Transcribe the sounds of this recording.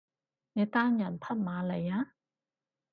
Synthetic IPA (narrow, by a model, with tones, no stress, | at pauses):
nɛ˨˧t̪aː˥njɐ˨˩npʰɐ˥t̚maː˨˧le˨˩jaː˧˥